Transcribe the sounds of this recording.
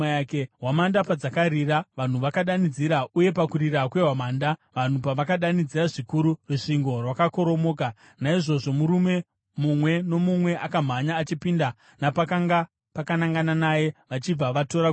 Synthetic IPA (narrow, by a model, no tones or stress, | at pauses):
akeɦwamandapad͡zakaɾiraʋan̤uʋakaɗanid͡ziɾauje̞pakuɾiɾakwe̞ɦwamaːndaʋan̤upaʋakaɗanid͡ziraʐikuɾuruʂiŋɡo̞rwakako̞ɾo̞mo̞ːka | naiʐo̞ʐo̞muɾume̞ | mumwe̞no̞mumwe̞ʔakam̤aɲaːt͡ʃipinda | napakaŋɡa | pakanaŋɡananaje̞ʋat͡ʃib͡vaʋato̞ɾa